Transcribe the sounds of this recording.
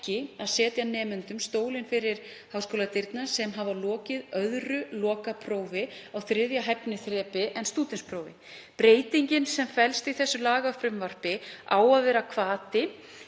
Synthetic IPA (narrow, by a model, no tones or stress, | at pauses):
cɪaðsɛːt̪janɛːmʏnt̪ʏmst̪oːwlɪnfɪɾɪɾ̥ | hawskowlat̪ɪɾt̪nasɛmɦavalɔːcɪðœðɾʏlɔːkapʰɾoːwvɪawθɾɪðjaɦɛpnɪθɾɛːpɪʔɛnst̪uːt̪ɪnspʰɾowvɪ̰ | pɾeːjt̪iɲcɪnsɛmfɛlst̪iθɛsːʏlaːɣafɾʏmvar̥pɪa̰ːwaðvɛːɾakʰvaːt̪ɪ